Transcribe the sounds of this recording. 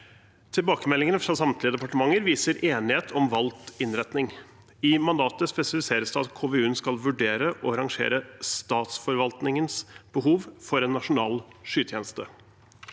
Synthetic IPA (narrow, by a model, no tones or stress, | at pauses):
t̪ʰɪlbɑːkəmɛlːɪŋənəfɾɑːsɑmt̪ʰlɪəd̪ɛpɑʈəmɑŋːəɾʋiːsəɾʔeːnɪheːt̪ʰɔmʋɑlt̪ɪnɾɛt̪nɪŋ | ɪmɑnd̪ɑːt̪əspɛsɪfɪseːɾəsd̪ɛɑt̪kʰoːʋeʉːnskɑlʋʉɖeːɾəʔɔɾɑŋʂḛːɾəst̪ɑːt̪sfɔɾʋɑlt̪nɪŋənsb̥əɦuːʋfɔɾɛnːɑʂʊnɑːlʂyːt̪ʰjeːnəst̪ə